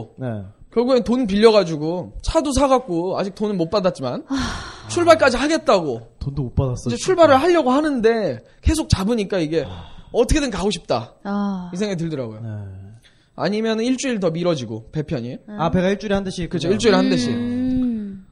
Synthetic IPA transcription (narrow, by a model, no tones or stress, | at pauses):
nḛkjʌɭɡuɡentonp̬iʎːʌɣad͡ʑuɡot͡ɕʰados̬ʰaɣak̚k͈oad͡ʑik̚t͈onɯnmot̚p͈adat̚t͡ɕ͈imant͡ɕʰuɭbaɭk͈ad͡ʑiɦaɡe̞t̚t͈aɡotondomop͈adas͈ʌd͡ʑet͡ɕʰuɭbaɾɯɭɦaʎːʌɡohanɯnde̞ | ke̞s̬ʰok̚t͡ɕabɯɲik͈aiɡe̞ʌtʰʌkʰe̞dɯnkaɡoɕʰi̥p̚t͈a | isʰeŋet̬ɯɭdɯɾaɡojonḛ | a̰ɲimjʌnɯniɭt͡ɕ͈uiɭt̬ʌmiɾʌd͡ʑiɡo̰pe̞pʰjʌɲiape̞ɡaiɭt͡ɕ͈uɾiandɯɕʰikɯt͡ɕʰoiɭt͡ɕ͈uiɭhandɯɕʰi